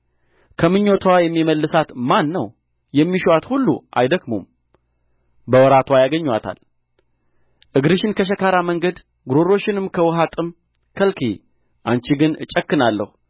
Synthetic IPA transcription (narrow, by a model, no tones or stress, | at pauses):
kʰəmɨɲːo̞t̪ʰwajɛmːiməlːɨsat̪manːəw | jɛmːiʃwat̪hulːṵʔa̰jd̪əɡmo̰m | bəwɔɾat̪ʰwajaɡəɲːwat̪ʰa̰l | ʔɨɡɾɨʃɪnkʰəʃ̬əkaɾaməŋɡəd̪ | ɡɾoɾo̞ʃːɪnɨmkʰəwɔɦat̪ʼɨm | kʰəlkʰḭ | ʔant͡ʃiɡɨnɨt͡ʃʼəkːɨnalːə̰hu